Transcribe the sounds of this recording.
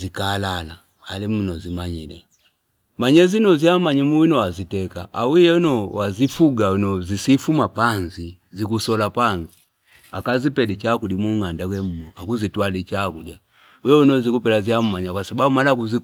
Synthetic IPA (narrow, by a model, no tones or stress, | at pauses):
zikaːlala̰ | alim̩nɔzimaɲilɛ̰ | maɲɛzinɔziamaɲimuwinɔwazitɛkaʔawijɛnɔwazifuɡainɔzisifumapanzizikusɔlapanzi | akazipɛlit͡ʃakudimuŋandakwɛm̩mɔakuzitwalit͡ʃakudja | ujɔinɔzikupɛlaziam̩maɲakwasababumalakuzi